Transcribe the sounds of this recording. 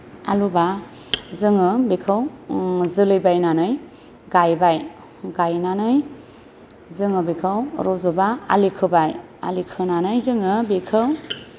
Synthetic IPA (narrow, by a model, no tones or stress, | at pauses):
a̰luba | zɯŋɯbekʰɯwzɯlɯjbajnanɯj | ɡajbaj | ɡajnanɯj | zɯŋɯbikʰɯwɾɔzobaa̰likʰɯbaja̰likʰɯnanɯjzɯŋɯbekʰɯw